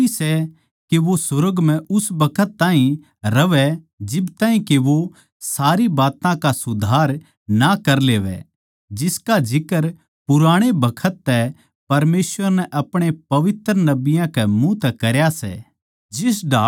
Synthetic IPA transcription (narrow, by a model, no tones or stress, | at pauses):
isɛ | keʋosʊɾəɡm̤ɛ̃ʊsbɐkʰət̪ːãːɦĩ | ɾɐʋɛ | d͡ʒɪbt̪aːɦĩkeʋo | saːɾibaːt̪ãkasʊd̪ʱaːɾ | nakɐɾleːʋɛ̰ | d͡ʒɪskad͡ʒɪkəɾ | pʊɾaːɽ̃ebɐkʰət̪ːɛ | pɐɾmeːsʋəɾnɛʔɐpɽ̃epɐʋɪt̪ɾənɐbɪjãkɛmũt̪ɛkɐɾjasɛ̰ː | d͡ʒɪsɖaː